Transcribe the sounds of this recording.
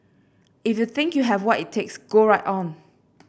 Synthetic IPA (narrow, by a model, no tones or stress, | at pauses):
ifjuθɪ̃ŋkjuɦɛvwɔtitʰːeksɡ̥oɹaɪtɔ̃n